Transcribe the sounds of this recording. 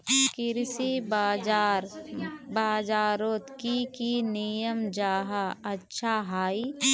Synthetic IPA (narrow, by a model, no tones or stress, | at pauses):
kɪɾsibaːd͡ʒaːɾbaːd͡ʒaːɾoːt̪kikinijəmd͡ʒaːɦaɐtːʃʰaɦaːi